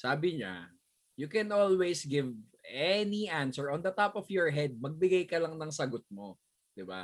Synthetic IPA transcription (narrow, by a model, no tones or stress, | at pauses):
saːbɪɲa̰ | jukɛnolwɛjsɡɪv | ɛniʔansɛɹɔ̃nd̪ɐt̪apɔfjɔɹɦɛd̪̚mɐɡ̚bɪɡajkɐlɐŋnɐŋsɐɡot̪̚mo | d̪̥ɪba̰